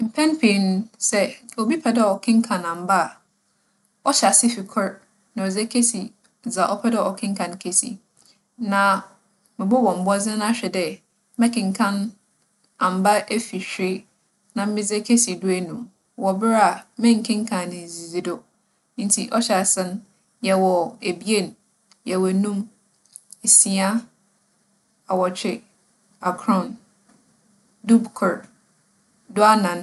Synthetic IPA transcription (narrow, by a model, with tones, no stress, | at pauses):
m̩˨pʰɛ̃˦npʰẽ˨n˨˦sɛ˦o˨bi˦pʰɛ˨dɛ˦˨ɔ˨kʰɪ̃˦ŋ˦kʰã˨nã˨m˨ba˦˨ | ɔ˦ɕa˨sɪ˦fɪ˨kʰʊ˦ɾ | nã˨ɔ˨d͡zɛ˦kʰe˦si˨ | d͡za˨ʔɔ˦pʰɛ˦dɛ˦˨ɔ˨kʰɪ̃˦ŋkʰã˨nkʰe˨sḭ˨ | nã˨ | mɪ̃˨bʊ˦wɔ̃˨m̩˨bɔ˦zɪ̃˦n˦a˦ɕᶣɛ˨dɛ˨˦ | mɛ̃˦kʰɪ̃˨ŋ̩˨kʰã˦n | ã˨m̩˨ba˦ʔe˦fi˨ɕᶣe˦ | nã˨m̩˦mɪ̃˦d͡zɛ˦kʰe˦si˨dʊ˦æ˦nũ˨m | wɔ˨bɪ˦ɾa˨mɪ̃˦ŋ̩˨kʰɪ̃˦ŋ̩˦kʰã˨nɪ̃˨zi˨zi˨dʊ˦ | n̩˦tʰi˨ʔɔ˦ɕa˨sɛ̃˦n | jɛ˨wɔ˨e˨bi˦e˦˨n˨ | jɛ˨wɔ˨nũ˦m | e˨si˨a˦ | a˨wɔ˨t͡ɕʰᶣɪ˦ | a˨kʰɾɔ̃˦˨n | du˦bkʰʊ˨ɾ | dʊ˦a˦nã˨n